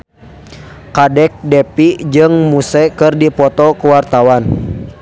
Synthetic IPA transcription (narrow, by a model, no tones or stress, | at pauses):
kadɛk̚dɛpid͡ʒɨŋmusɛkɨrdipɔt̪ɔkuwart̪awan